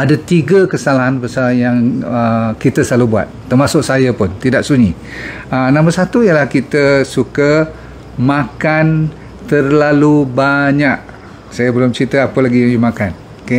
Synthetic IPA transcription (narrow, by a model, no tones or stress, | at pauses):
adat̪iɡəkəsalaɦanbəsajaŋəkit̪əslalubua̰t̪̚ːərmasʊk̚sajəpʊnt̪idaʔsuɲi | ənãmbərsat̪uijəlahkit̪əsukə | makan | t̪ərlalubaɲak̚ | sajabəlʊmt͡ʃit̪əapəlaɡijaŋjumakan | kə